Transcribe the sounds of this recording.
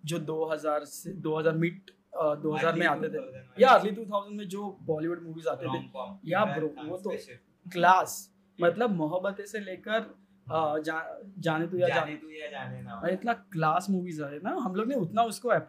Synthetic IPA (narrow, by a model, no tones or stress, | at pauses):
d͡ʒoːd̪oːɦɐzaːɾsed̪oːɦɐzaːɾmɪʈ̚ː | d̪oːɦɐzaːɾmẽaːt̪et̪ʰejaɐɾlit̪̬uːt̪ʰaːʊzəɳɖmẽd͡ʒoːbɔːliʋʊɖmuːʋiːzaːt̪et̪ʰeːjabɾoːʋoːt̪o | klaːs | mɐt̪ləbmʊɦəbːət̪eseleːkəɾ | d͡ʒaːd͡ʒaːnet̪̬ojad͡ʒaːnet̪o | ɪt̪naklaːsmuːʋizaːt̪enaɦɐmloːɡneʊt̪naʊskoɛː